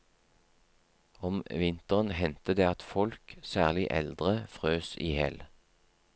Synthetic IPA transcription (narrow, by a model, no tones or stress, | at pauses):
ɔmʋɪnt̪əʁənhɛnt̪əd̪eːɑt̪fɔlksæːʁlɪʔɛ̰ld̪ʁəfʁøːsiːhɛl